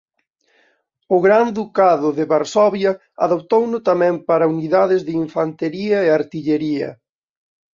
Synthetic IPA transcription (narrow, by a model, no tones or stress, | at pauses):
ʊɣɾand̪ukaðʊðɪβaɾsɔβjɐ | aðop̚t̪ownʊt̪amɛ̃mpaɾɐuniðaðɪzðɪiɱfant̪eɾiɐeaɾt̪iʎeɾiɐ̰